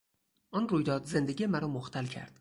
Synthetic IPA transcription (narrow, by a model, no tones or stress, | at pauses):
ʔɒnɾujd̪ɒːd̪ze̞nd̪eɡʲimæɾɒmoxt̪ʰælcʰæ̰ɾd̪̥